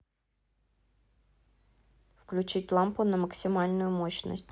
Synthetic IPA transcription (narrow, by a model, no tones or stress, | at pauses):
fklʲʉt͡ɕitʲlˠampʊnəməksʲɪmalʲnʊjʊmoɕnə̰sʲtʲ